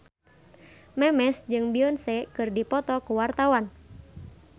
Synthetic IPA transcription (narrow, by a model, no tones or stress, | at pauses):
mɛmɛsd͡ʒɨŋbiɔnsɛkɨrdipɔt̪ɔkuwart̪awan